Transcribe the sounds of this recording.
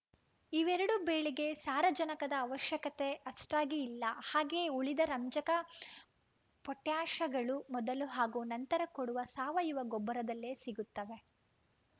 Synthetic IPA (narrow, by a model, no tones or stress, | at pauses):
iʋɛɾɐɽube̞ːɭiɡe̞saːɾɐd͡ʒɐnɐkɐd̪ɐːʋɐʃjɐkɐt̪e̞ʔɐsʈaːɡiːlːɐhaːɡe̞ːuɭid̪ɐɾɐmd͡ʒɐkɐ | pɔʈːjaːʃɐɡɐɭumɔd̪ɐluɦaːɡuːnɐnt̪ɐɾɐkoɽuʋɐsaːʋɐjuʋɐɡɔbːɐɾɐd̪ɐlːeːsiɡut̪ːɐʋe̞